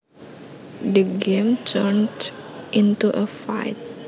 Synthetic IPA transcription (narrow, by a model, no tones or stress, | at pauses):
dəɡẽmtʰəndʔɪ̃ntuʔəfa̰ɪt̚